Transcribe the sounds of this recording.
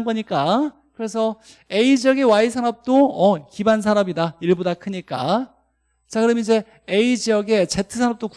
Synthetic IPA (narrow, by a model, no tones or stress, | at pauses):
nbʌɲik͈a | kɯɾe̞sʰʌ | eid͡ʑiʌɡewaisʰanʌp̚t͈oʌkibans̬ʰaɾʌbidaiɭbodakʰɯɲik͈a̰ | t͡ɕakɯɾʌmid͡ʑe̞ | eid͡ʑijʌɡe̞t͡ɕe̞tʰɯsʰanʌp̚t͈ok